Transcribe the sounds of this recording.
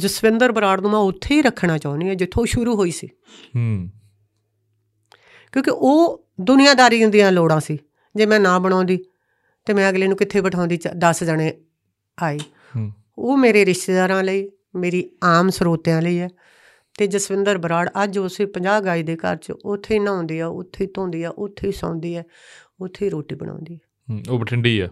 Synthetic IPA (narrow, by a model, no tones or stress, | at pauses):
d͡ʒəsʋɪnd̪əɾbəɾaːɽnũːmãːʊt̪ʰːeːiːɾəkʰːɳaːt͡ʃaːʊ̃niːɛːd͡ʒɪt̪ʰːõːʃʊɾuːɦoːiːsiː | kjõːkɪʔoː | d̪ʊnɪjãːd̪aːɾiːʊ̃nd̪ijãːloːɽãːsiː | d͡ʒeːmɛ̃ːnãːbəɽ̃ãːnd̪iː | t̪eːmɛ̃ːəɡleːnũːkɪt̪ʰːeːbəʈʰaːʊ̃ːnd̪iːt͡ʃd̪əsd͡ʒəɳeː | aːiː | oːmeːɾeːɾɪʃʈ̪eːd̪aːɾãːləiː | meːɾiːaːmsəɾoːt̪jãːləiːɛː | t̪eːd͡ʒəsʋɪnd̪əɾbəɾaːɽəd͡ʒʊsepəɲd͡ʒaːbɡaːiːd̪eːkə̰ɾt͡ʃʊt̪ʰːeiːnãːnd̪iːɛːʊ̰t̪ʰːeiːt̪õːnd̪iːɛːʔʊt̪ʰːeiːsã̰ːnd̪iːɛː | ʊt̪ʰːeːɾoːʈiːbəɳ̃ã̰ːnd̪iːɛː | oːbəʈʰəɳɖiːɛ̰ː